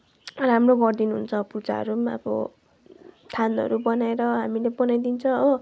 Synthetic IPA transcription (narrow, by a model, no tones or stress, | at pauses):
ramrobʌrd̪inuɦṵnt͡sʰʌ̃put͡sa̰ʌ̰ɾumabʌ̰ | t̪ʰanʌ̰ɾubʌnaeɾʌɦamilebʌnajd̪int͡sʰʌ̃ʌ